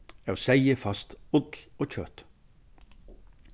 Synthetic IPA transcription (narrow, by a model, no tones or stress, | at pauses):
æːoːsæɪəfɑst̪ʊd̪oːc͡çø̰ːt̪